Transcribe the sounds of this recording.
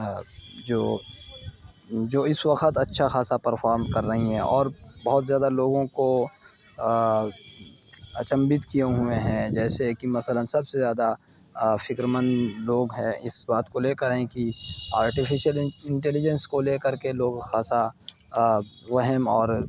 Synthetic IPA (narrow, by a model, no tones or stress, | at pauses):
d͡ʒoː | d͡ʒoːɪswɐqət̪ɐtːʃʰaxaːsapəɾfʰaːɾmkɐɾːɐɦiɦɛ̰̃ʔɔːɾbɔɦt̪zjaːd̪aloːɡõko | t͡ʃɐ̃mbɪt̪kijeɦʊeɦɛ̃d͡ʒɛːseɦɛkimɐsələnsɐbsezjaːd̪a | fɪkɾəmənloːɡɦɛ̃ɪsbaːt̪koleːkəɾɦẽkiaːɾʈifʰɪʃjəlɪ̃ɳʈɛːlɪd͡ʒə̃nskoleːkɐɾkeloːɡxaːsa | ʋɐɦɛmɔːɾ